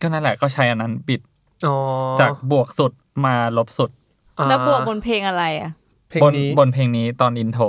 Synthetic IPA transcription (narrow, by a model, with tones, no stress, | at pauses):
kɔː˥˩naː˥˩˨lɛː˨˩kɔː˥˩t͡ɕʰa˦˥jʔa˧nːa˦˥nbi˨˩t̪̚ | ɔ˨t͡ɕaː˨˩k̚bu˨˩ək̚su˨˩t̪̚maː˧lo˦˥p̚su˨˩t̪̚ | lɛː˦˥bu˨˩əbo˧npʰeː˧ŋʔa˧ɾa˧jʔa˨˩ | bo˧nn˦bo˧npʰeː˧ŋniː˦˥t̪ɔː˧nʔi˧nt̪ʰoː˧